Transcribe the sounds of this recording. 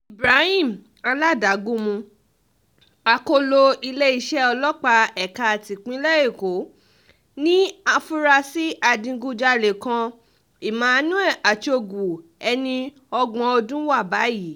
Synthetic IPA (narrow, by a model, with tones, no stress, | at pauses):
i˨bɾa˨˦hĩ˦˨m˨ | a˧la˦da˨˦ɡũ˦mũ˧ | a˧ko˧˦lo˧i˧le˦i˧ʃɛ˦ɔ˧lɔ˦k͡pa˧ɛ˨ka˧a˨ti˨k͡pĩ˨˦lɛ˦e˦˨ko˨˦ | nĩ˦a˧fu˦ɾa˧si˦ʔa˧dĩ˧ɡu˧d͡ʒa˧le˨kã˧ | i˨mãː˨˧˦nũ˦ɛ˦˨ʔa˨t͡ʃo˧ɡu˨ɛ˧nĩ˧ | ɔ˧ɡ͡bɔ̃˨˧ɔ˧dũ˦wa˦˨ba˨˦ji˨˦